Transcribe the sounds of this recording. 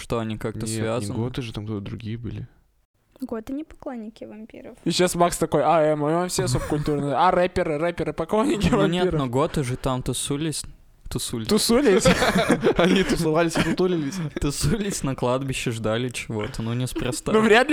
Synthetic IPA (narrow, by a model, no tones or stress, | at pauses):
ʂt̪oɐnʲikak̚nəsvʲazənɡot̪ɨʐɨt̪amkt̪ot̪əd̪ɾʊɡʲijəbɨ̰lʲɪ | ɡot̪ɨnʲɪpɐklˠonʲːɪkʲɪvɐmʲpʲḭɾəfɪɕasmakst̪ɐko̞jaɛmɐafsʲesup̚kʊlʲt̪uɾnəarɛpʲɪɾɨɾɛpʲɪɾɨpɐklˠonʲːɪkʲɪvɐnʲet̪noɡo̞t̪ɨʐɨt̪amt̪ʊsulʲɪsʲ | t̪ʊsulʲɪt̪ʊsulʲɪsʲ | ɐnʲit̪ʊsɨvalʲɪsʲt̪ʊt̪ulʲɪlʲɪsʲt̪ʊsulʲɪsʲnɐklˠad̪bʲɪɕːɪʐd̪alʲɪt͡ɕɪvo̞t̪ənunʲɪspɾɐst̪anuvɾʲad̪lʲ